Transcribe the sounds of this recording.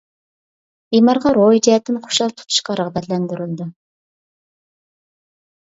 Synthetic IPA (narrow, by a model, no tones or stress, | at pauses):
imɑɾʁɑɾojd͡ʒijɛt̪ːɪnqʰo̥ʃɑlˠt̪ʰu̥t̪ʰu̥ʃqɑɾəʁbɛt̪lɛnd̪yɾyld̪u